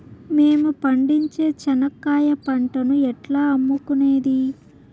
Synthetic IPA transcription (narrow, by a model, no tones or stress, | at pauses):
me̞ːmupɐɳɖiɲt͡ʃe̞ːt͡ʃɐnɐkːaːjɐpɐɳʈɐnuɛʈlaːɐmːukune̞ːd̪i